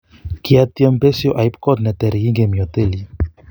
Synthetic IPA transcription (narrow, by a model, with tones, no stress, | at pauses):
ki˨a˦t̪jɛ˦mpe˦sjo˨ʔa˨jp̚kɔ˦d̪nɛ˨t̪ɛ˨ɾɣi˦ŋɡe˨mjo˨t̪e˦li˦